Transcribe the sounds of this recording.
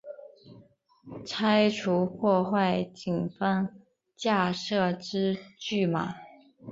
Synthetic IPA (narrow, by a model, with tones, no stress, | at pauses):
t͡sʰa˥ɪʈ͡ʂʰu˧˥pʰwɔ˥˧xwa˥˩ɪt͡ɕi˨˩ŋfa˥ŋ | t͡ɕja˥˧ʂɤ˥˧ʈ͡ʂɻ̩˥t͡ɕy˥˩ma̰˨˩